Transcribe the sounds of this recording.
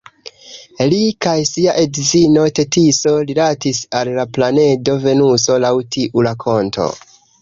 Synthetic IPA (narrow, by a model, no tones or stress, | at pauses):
likajsiaʔedzino̞te̞tiso̞lilatisalːaplane̞do̞ve̞nuso̞lawtʰiʔulakʰo̞ntʰo̞̰